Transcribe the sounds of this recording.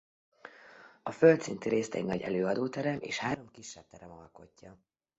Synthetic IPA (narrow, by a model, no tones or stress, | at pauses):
ɒfølt̪sint̪yɾeːst̪ɛ̰ɟnɒɟɛ̰løːɒd̪oːt̪ɛɾɛmʔḛːʃhaːɾo̞mkiʃːɛp̚t̪ɛɾɛmɒ̰lko̞̰cːɒ